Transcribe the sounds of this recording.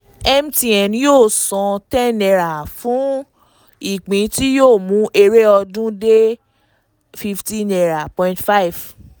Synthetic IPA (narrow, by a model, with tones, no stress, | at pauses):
ɛ˧mti˧ɛ˨n˦jo˦˨sɔ̃˨˧tɛ˦nɛ˧ɾa˨fũ˨˦ | i˦˨k͡pĩ˨˧ti˦joː˦˨mũ˨˦ʔe˧ɾe˦ɔ˧dũ˦de˦ | fi˧ftĩ˦nɛ˧ɾa˨pɔ̃˧ĩ˧ntfa˦i˨v